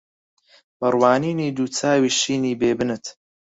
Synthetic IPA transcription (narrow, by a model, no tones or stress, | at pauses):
bɐrwaːniːniːd̪uːt͡sʰaːwiːʃiːniːbeːbɨnɨt̪